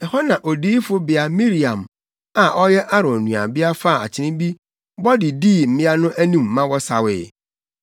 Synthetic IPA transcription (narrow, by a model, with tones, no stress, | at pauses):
ɛ˨hɔ˦nã˨ʔo˨diː˦fʊ˦bɪ˨a˨mĩ˦ɾi˨ã˨m | a˨ʔɔ˦jɛ˦ʔa˦ɾɔ̃˨nũ˨a̰˨bɪ˦a˦fa˦˨a̰˨t͡ɕʰɪ˨nɪ̃˦bi˦ | bɔ˦dɪ˨diː˦˨m̩˦mɪ̃˦a˦nʊ̃˦ʔæ˦nũ˦˨mː˨ã˦wɔ˦sa̰˨wɪ̰ː˨